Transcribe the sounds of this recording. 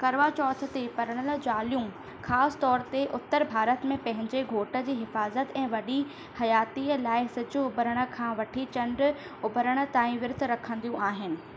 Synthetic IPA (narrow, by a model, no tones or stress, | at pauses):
kɐɾʋat͡ɕɔːt̪ʰə̆t̪epɐɾəɽ̃əld͡ʑaːlijũ | xaːsɪ̥t̪ɔːɾt̪eʔʊt̪ːəɾbʱaːɾət̪mẽpɐ̃ɦɪ̃ɲd͡ʑeɡʱoːʈə̆d͡ʑiːɦɪfaːzət̪ɛ̃ːʋɐɗi | hɐjaːt̪iəlaːɪsɪd͡ʑʊʊbʱəɾəɽ̃ə̆kʰãːʋɐʈʰit͡ɕɐ̃ɳɖ | ʊbʱəɾəɽ̃ə̆t̪aːĩʋɪɾt̪ʰɾɐkʰə̃nd̪ijũʔaːɦɪnɪ̆